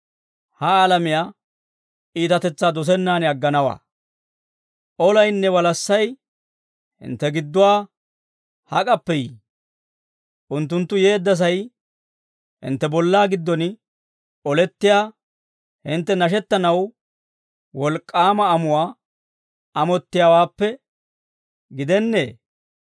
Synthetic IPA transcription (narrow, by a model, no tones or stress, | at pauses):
hɐaːlɐmɪjaː | iːt̪ɐt̪ɛt͡sːaːd̪ɔs̬ɛnːaːnɪɐɡːɐnɐwa̰ː | ʔɔlɐjnːɛwɐlɐsːɐj | hɪ̰nt̪ːɛɡɪd̪ːʊwaː | hɐkʼɐpːɛjiː | ʔʊnt̪ːʊnt̪ːʊje̞ːd̪ːɐs̬ɐj | hɪ̰nt̪ːɛbɔlːaːɡɪd̪ːɔn | ɔlɛt̪ːɪjaː | hɪnt̪ːɛnɐʃɛt̪ːɐnɐw | wɔlkʼːaːmɐːmʊwaː | ɐmɔt̪ːɪjawaːpːɛ | ɡɪd̪ɛnːḛː